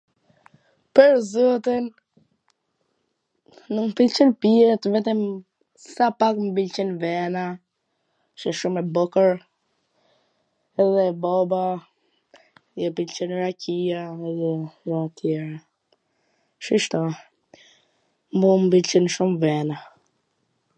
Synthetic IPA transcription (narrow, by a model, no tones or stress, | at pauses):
pəɾzɔt̪in | umpilt͡ʃənpiɛt̪vɛt̪ɛm | sapakmbilt͡ʃɛnvɛna | ʃɛʃumɛbɔkəɾ | ɛðɛbɔba | jɛpilt͡ʃɛnɾakijaɛjɛɾɔat̪ʰjɛɾa | ʃiʃt̪ɔ | mbumbilt͡ʃinʃumvɛna